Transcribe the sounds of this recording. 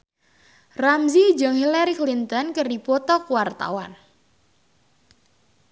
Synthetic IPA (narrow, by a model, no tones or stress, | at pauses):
ramzid͡ʒəŋhilɛɾiklint̪ɔnkərdipɔt̪ɔkuwart̪a̰wan